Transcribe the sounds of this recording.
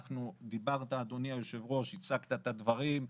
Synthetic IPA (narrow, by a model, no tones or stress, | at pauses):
χnud̪ibaʁt̪aːd̪o̞niajoʃe̞vʁo̞ʃit͡sakt̪at̪ad̪vaʁim